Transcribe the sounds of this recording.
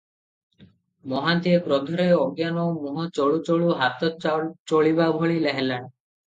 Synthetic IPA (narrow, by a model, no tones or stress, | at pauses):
mɔɦant̪iekɾɔd̪ʱɔɾeɔɡjanɔmuɦɔt͡ʃɔɭut͡ʃɔɭuɦat̪ɔt͡ʃoɭibabʱɔɭileɦelaɳ